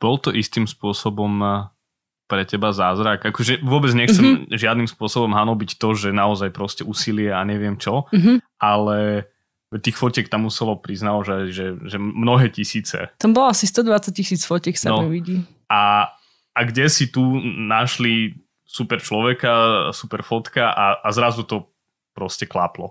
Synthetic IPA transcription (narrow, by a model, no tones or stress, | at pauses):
b̥ɔlt̪ɔʔist̪iːmspʊɔsɔbɔm | pɾɛcɛbazaːzɾaɡakɔʒɛʋʊɔbɛd͡zɲɛxt͡sɛmʒɪad̪nimspʊɔsɔbɔmɦanɔbict̪ɔʒɛnaɔzajpɾɔscɛuːsilɪɛaɲɛʋɪɛmt͡ʃɔɦ̩ʔalɛ | ɛt̪iːxfɔcɛkt̪amːusɛlɔpɾiznalɔʒɛʒɛʒɛmnɔɦɛːcisiːt͡sɛ̰t̪ambɔlasist̪ɔd̪ʋat͡sac̚cisiːt͡sfɔcɛksanɔmɛʋiɟi | a | aɡɟɛsit̪unaʃli | supɛɾt͡ʃlɔʋɛkasupɛɾfɔt̪kaʔaʔazɾazut̪ɔ | pɾɔscɛklaplɔ̰